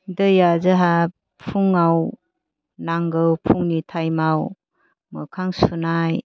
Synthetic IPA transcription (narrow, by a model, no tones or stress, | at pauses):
dɯjazɯɦa | pʰuŋaw | naŋɡɯwpʰuŋnitʰajmaw | mɯkʰaŋsunaj